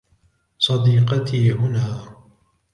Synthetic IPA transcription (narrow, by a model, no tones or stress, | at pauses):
sˤɑd̪iːqɑt̪ʰiːɦʊnaː